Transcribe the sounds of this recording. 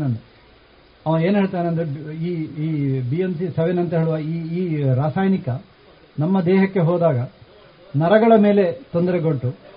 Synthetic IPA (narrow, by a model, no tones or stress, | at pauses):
ɐnɐ | ɐʋɐe̞ːnuɦeɭt̪aːjineɐnd̪ɾiːiːbiemsisɐʋenɐnt̪ɐɦe̞ːɭuʋaiːiːɾaːsaːjnikɐ | nɐmːɐd̪ɛːɦɐkːe̞ɦɔːd̪aːɡɐ | nɐɾɐɡɐɭɐme̞ːle̞t̪ond̪ɐɾeɡoʈːu